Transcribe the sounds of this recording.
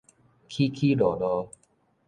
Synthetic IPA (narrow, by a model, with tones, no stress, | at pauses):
kʰi˦kʰi˦lɔ˨˩dɔ˧˦